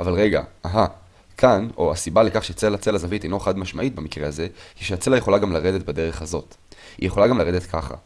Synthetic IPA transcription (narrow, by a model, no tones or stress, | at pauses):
ʔa̰valʁe̞ɡa̰aɦa | kʰano̞asibalekaχʃet͡selat͡selazavit̪ejnloeχad̪maʃmaʔit̪̚bemikʁeaze̞kiʃeat͡se̞laje̞χo̞laɡamlaʁe̞d̪e̞tbede̞ʁ̞e̞χhazo̞t | ijeχo̞laɡamlaʁed̪et̪kʰaχa̰